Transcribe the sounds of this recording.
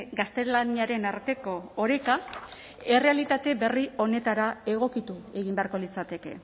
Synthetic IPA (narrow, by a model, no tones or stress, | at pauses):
ɡast̪e̞laniaɾe̞naɾt̪e̞ko̞ːɾe̞ka | e̞re̞alit̪at̪e̞be̞rio̞ne̞t̪aɾae̞ɣ̞o̞kit̪ue̞ɣ̞imbe̞aɾko̞lit͡sat̪e̞ke̞̰